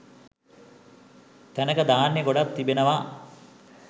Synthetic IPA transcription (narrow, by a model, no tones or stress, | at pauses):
t̪ænəkəd̪aːnːeɡoɖat̪ːibenəʋa